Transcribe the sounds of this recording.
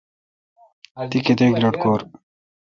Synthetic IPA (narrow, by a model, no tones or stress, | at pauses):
t̪iket̪eɡɾɐʈkoːɾ